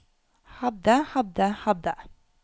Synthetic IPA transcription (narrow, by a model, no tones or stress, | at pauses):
hɑd̪əhɑd̪əhɑd̪ə